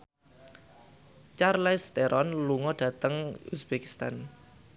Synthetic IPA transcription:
t͡ʃarlɛst̪eɾʔɔnluŋɔɖ̥ä̤t̪əŋusb̥eki̥st̪an

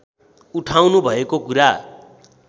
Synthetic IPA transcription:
uʈʰawnubʱʌekokuɾa

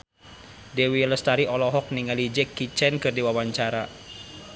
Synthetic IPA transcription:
dewiləst̪aɾiɔlɔɦɔk̚niŋalid͡ʒɛkːit͡ʃɛnkɨrdiwawaɲt͡ʃaɾa

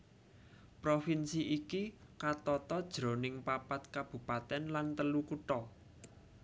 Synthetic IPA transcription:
pɾofinsiʔikikat̪ɔt̪ɔd̥ʒ̥ɾo̤nɪŋpapat̪kab̥ṳpat̪ɛnlant̪əlukuʈɔ

